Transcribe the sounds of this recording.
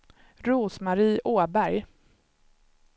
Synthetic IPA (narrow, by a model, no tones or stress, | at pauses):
ɾuːsmaɾiːʔoːbæɾj